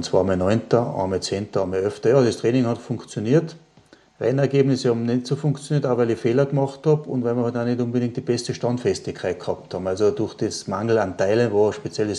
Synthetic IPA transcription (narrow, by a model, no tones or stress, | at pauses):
ʊn̩t͡sv̥a̰ːɐmɛnɔʏntɐɑ̰mɛt͡seːntɐɑmɛœftɐjɑːd̥estʁɛːnɪŋhɑtfʊ̃ŋkt͡sjoniːɐt | ʁɛnɛɐɡeːbnɪsəhɑbm̩nɛtsofʊ̃ŋkt͡sjoniːɐtaʊxvʋæɪlifeːlɐɡmɑχthɑbʊntvæɪmiɐhœtanetʊ̃nbədɪ̃ŋktd̥ib̥ɛstəʃtɑntfɛstɪçkʰːaɪt̚khɑːp̚thɑːbm̩alsod̥ʊɐxd̥esmaŋl̩antaɪlənvoːɐʃpet͡sjɛles